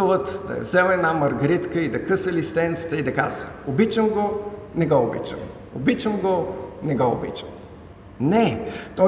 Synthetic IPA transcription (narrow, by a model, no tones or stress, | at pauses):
əvət̪d̪ɐ̰jɛ̰vzɛmɛd̪namɐɾɡɐɾit̪kəid̪ɐkɤsəlist̪ɛnt̪sə̥t̪əid̪ɐka̰zəobit͡ʃəmɡonɛɡoobḭt͡ʃə̰m | obit͡ʃəmɡonɛɡɔʊ̰bḭt͡ʃəm | nɛt̪ɔ